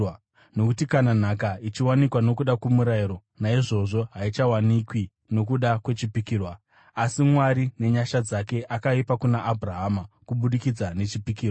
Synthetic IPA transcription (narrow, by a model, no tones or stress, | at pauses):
no̞kutikanan̤akait͡ʃiwanikwano̞kuɗakwemuɾaiɾo̞ | naiʐo̞ʐo̞ɦait͡ʃawanikwi | no̞kuɗakwe̞t͡ʃipikiːrwa | asimwaɾine̞ɲaʃad͡zake̞ʔakaipakunaʔːbʱraɦamakuɓuɗikid͡zane̞t͡ʃipikiːrwa